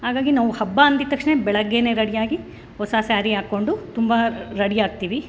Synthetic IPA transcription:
haːɡaːɡinaːʋuhɐbːaɐnd̪it̪ːɐkʂɳebɛɭɐɡːeːne̞ːɾɐɽijaːɡi | hɔsɐsaːɾiaːkːo̞ɳɖut̪umbɐɾɐɽijaːɡ̚t̪iːʋi

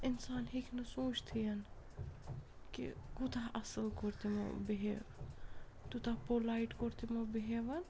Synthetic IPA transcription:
insaːnɦikʰnɐsũːt͡ʃʰt̪ʰijɐn | kḭɡut̪aʔɐsəlkoɾt̪imo̰biɦe | t̪ut̪apolaiʈkoɾt̪imobiɦeʋɐn

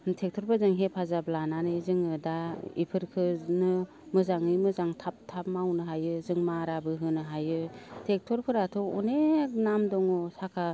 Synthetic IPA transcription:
tʰek̚tʰɔɾbazɯŋɦepʰazablananɯzɯŋɯdaḭpʰɯɾkʰɯnɯ | mɯzaŋɯjmɯzaŋtʰap̚tʰap̚mawnɯɦajɯzɯŋmaɾabɯɦɯnɯɦajɯtʰek̚tʰɔɾkʰɯɾatʰɔɔnenamdɔŋɔsakʰa

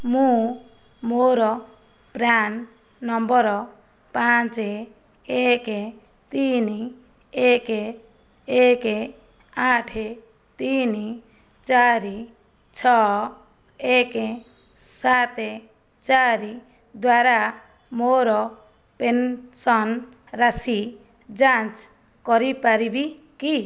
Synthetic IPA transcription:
mũ | moɾɔ | pɾanː | ʌmbʌɾɔ | pãt͡se | eke | t̪ini | eke | eke | aʈʰe | t̪ini | t͡ʃaɾi | t͡ʃʰɔ | eke | sat̪e | t͡ʃaɾi | d̪waɾa | moɾɔ | pensɔn | ɾasi | d͡ʒãt͡ʃ | kɔɾipaɾibi | ki

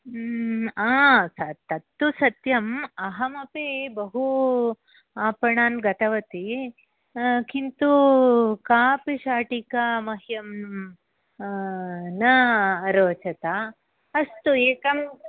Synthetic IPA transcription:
aːsɐt̪ɐt̪ːusɐt̪jɐmɐɦɐmɐpeːbɐɦu | aːpɐɳaːnɡɐt̪ɐʋɐt̪i | kint̪ukaːpiʃaːʈikamɐɦjɐm | nɐːɾoːt͡ʃɐt̪a | ɐst̪ueːkɐm

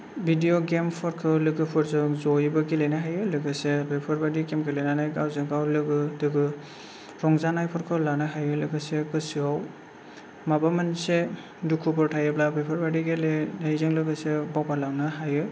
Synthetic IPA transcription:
bʱidioɡempʰɔɾkʰɯlɯɡɯpʰɔɾzɯŋzɔjbaɡilejnaɦajɯlɯɡɯsebepʰɔɾbadiɡemɡilejnanajɡawzɯɡawlɯɡɯdɯɡɯ | ɾɔŋzanajpʰɔɾkʰɯlanaɦajɯlɯɡɯsekɯsɯaw | mabamanse | dukʰupʰɔɾtʰajɯblabepʰɔɾbadiɡelenajzɯŋlɯɡɯsebawpalawnaɦajɯ

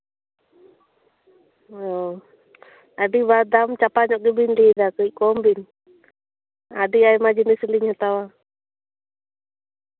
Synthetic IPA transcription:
ɔ | aɖibad̪amt͡ʃapaɲɔʔ̚ɡɛbinlid̪akəc̚kɔmbiɲ | a̰ɖiajmad͡ʒinisliɲhɔt̪awa

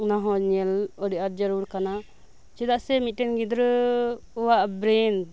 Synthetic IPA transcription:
naɦɔ̃ɲɛlɔɖiʔaɾd͡ʒəɾuɾkana | t͡ʃɛd̪aʔsɛmit̪̚ʈɛnɡid̪ɾ | ɔwaʔbɾɛn

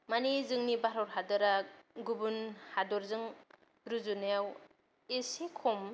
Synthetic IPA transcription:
manizɯŋnibaɾɔɾɦadɔɾaɡubunhadɔɾzɯŋ | ɾuzunajaw | esekʰɔm

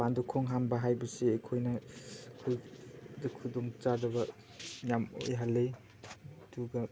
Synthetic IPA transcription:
pandukʰɔŋɦambaɦajbɯseːkʰojnakʰujdakʰudɔŋt͡ʃadaba | jamo̰jɦalːej | duɡa

